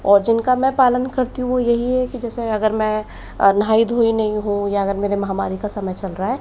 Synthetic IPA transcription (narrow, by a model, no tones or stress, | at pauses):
ɔːɾd͡ʒɪnkamɛ̃paːlənkɐɾt̪iɦũʋojɐɦiɦɛkid͡ʒɛːseɐɡəɾmɛ̃ | nɦaːid̪ʱoinɐɦĩɦũjaɐɡəɾmeːɾemɐɦaːmaːɾikasɐməjt͡ʃɐlɾaɦɛː